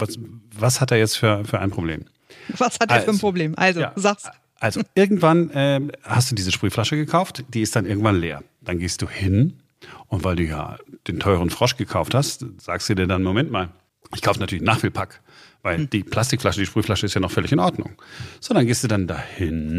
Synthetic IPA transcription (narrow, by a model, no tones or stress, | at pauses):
vasvashat̚d̥eːɐjɛt͡stfyːɐfyːɐʔaɪnpʁ̥oblḛːm | vashatdːɐːɐnpʁ̥obleːmʔa̰lzoja̰ːzaks | ʔalzoʔɪɐɡŋ̩tv̥anʔɛːhastd̥uːdiːzəʃpʁ̥yːflaʃəɡəkʰaʊftd̥iːɪstd̥anʔɪɐɡŋ̩tv̥anlḛːɐ | d̥anɡeːst̚d̥uːhɪn | ʔʊntv̥aɪlduːja̰ːd̥eːntʰɔʏʁ̞ənfʁ̥ɔʃɡ̥əkʰaʊfthastz̥aːkstd̥uːdiːɐdanmomɛntmaːl | ʔɪçkʰaʊfənatʰyɐlɪçnaːχfiːlpʰak | vaɪld̥iːpʰl̥astɪkflaʃədiːʃpʁyːflaʃəɪstjanɔχfœlɪçɪnʔɔɐdnʊ̰ŋz̥ɔndɐnɡeːstd̥uːdandahɪn